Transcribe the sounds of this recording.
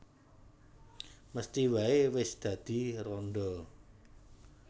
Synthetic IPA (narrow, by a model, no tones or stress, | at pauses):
məst̪iwaewɪsd̪̥ä̤d̪̥i̤rɔnɖ̪ɔ